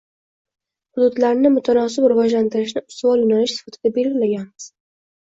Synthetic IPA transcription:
hʊd̪ʊd̪laɾnɪmʊt̪ʰanɒsɪpɾɪvɒd͡ʒlant̪ɪɾɪʃnɪʊ̥st̪vɒlˠjʊnanɪʃsɪ̥fat̪ʰɪd̪abe̞lɡʲɪlaɡʲanɪz̥

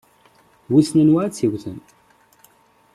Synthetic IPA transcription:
wisnənwaæt͡sːiwθənt̪

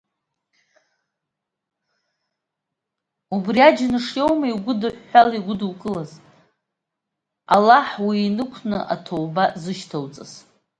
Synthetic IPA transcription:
ubriad͡ʒnɨʂjowmaiɡʷʊdɨħːaliɡʷʊduwkʼɨlaz | a̰laħwiːnɨkʷʰnɨ̰ʔa̰tʰowbazɨʃtʰowt͡sʼaz̥

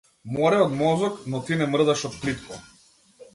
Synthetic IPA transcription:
mɔɾɛɔd̪mɔzɔknɔt̪inɛmr̩d̪aʃɔt̪̚plit̪kɔ

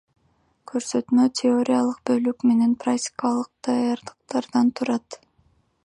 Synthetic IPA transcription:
kʰø̞ɾsøt̪ymøt̪ʲʰɪo̞ɾʲijalˠɯq̚bø̞lykme̞ne̞npraktʲɪ̥kalˠɯq̚d̪̥ɑjɑɾd̪ɯ̥q̚t̪ɑɾd̪ɑnt̪ʰuɾɑt̪

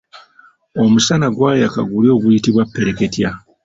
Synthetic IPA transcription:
o̞musanaɡwaːjeakaɡulio̞ɡuitiβwapːe̞ɾe̞ke̞tja

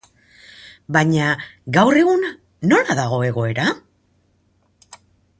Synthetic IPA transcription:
baɲaɡawre̞ɣun | no̞laðaɣ̞o̞e̞ɣo̞e̞ɾa

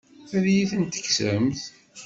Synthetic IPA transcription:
æðjiθənt̪ə̥çsə̰mθ

